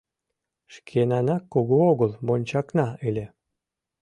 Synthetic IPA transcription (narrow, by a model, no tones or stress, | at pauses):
ʃkʰenɑnɑkːoɣooɣəlˠbonʲt͡ɕɑknɑelʲe